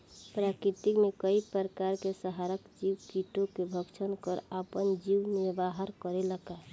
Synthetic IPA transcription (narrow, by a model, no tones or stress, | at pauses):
pɾakɾit̪ikmekəipəɾəkaɾkesəɦaɾəkd͡ʒiwkiʈokebʱəkt͡ʃʰənkəɾapənd͡ʒiwniɾbaɦəɾkəɾeləka